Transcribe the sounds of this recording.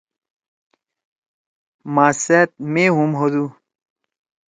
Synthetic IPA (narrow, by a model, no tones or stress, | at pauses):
maːset̪̚meɦumɦod̪u